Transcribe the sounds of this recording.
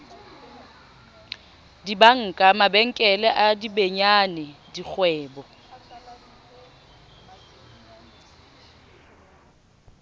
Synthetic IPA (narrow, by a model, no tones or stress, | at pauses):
dibaŋ̩kʼamabɛŋ̩kʼɛlɛʔadibeɲanɛdik͡xʰwɛːbɔ